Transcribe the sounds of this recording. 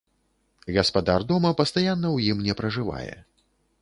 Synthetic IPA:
ɣɐspad̪ard̪ɔmɐpɐst̪ajanːɐwjimnʲɛpɾɐʐɨva̰jɛ̰

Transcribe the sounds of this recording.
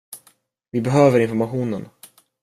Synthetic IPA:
vɪbɛɦøːvəɾɪnfɔɾmaɧuːnən

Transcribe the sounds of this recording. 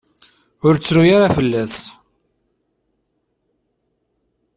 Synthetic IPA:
ʊɾt͡sːɾujaɾafəlːæs

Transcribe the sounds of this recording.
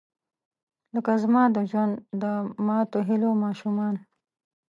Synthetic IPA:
ləkazmɑːd̪əʒwand̪d̪əmɑt̪oɦilomɑːʃumɑːn

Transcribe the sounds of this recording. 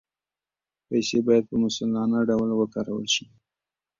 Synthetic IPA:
pajsebɑjad̪̚pəmʊsalɑnaɖawlwəkɑɾawə̰lʃi

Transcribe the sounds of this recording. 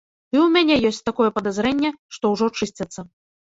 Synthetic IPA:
ɨwmʲanʲɛjɔsʲt͡sʲt̪akɔjɛpɐd̪azɾɛnʲːɛʂt̪ɔwʐɔt͡ʂɨsʲt͡sʲɐt̪sːɐ

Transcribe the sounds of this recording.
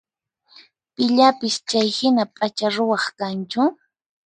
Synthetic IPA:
pɪʎapɪst͡ʃajhɪnapʼat͡ʃaɾʊwɑχkant͡ʃʊ

